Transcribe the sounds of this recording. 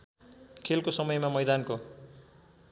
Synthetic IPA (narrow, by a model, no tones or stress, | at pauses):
kʰelkosʌmʌjmamʌjd̪anko